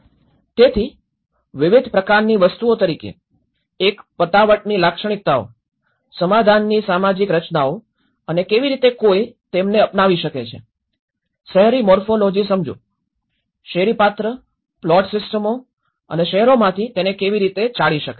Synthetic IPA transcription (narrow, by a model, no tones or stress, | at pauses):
t̪et̪ʰi | ʋɪʋɪd̪ʱpɾəkaɾniʋəst̪uot̪əɾikḛ | ekpət̪aʋəʈnilakʃəɳ̃ik̚t̪ao̰ | səmad̪ʱanːisamad͡ʒikɾət͡ʃnao | ənekeʋiɾit̪ekojt̪emneəpnaʋiʃəket͡ʃʰḛ | ʃɛɦɾimɔɾfolod͡ʒisəmd͡ʒṵ̃ | ʃɛɦɾipat̪ɾə | plɔʈsɪsʈəmo | ə̰neʃɛɦɛɾomãt̪ʰit̪enekeʋiɾit̪et͡ʃaɭiʃəke